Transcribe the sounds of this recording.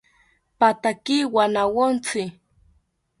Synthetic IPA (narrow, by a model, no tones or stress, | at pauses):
pat̪akiwanawont͡sɪ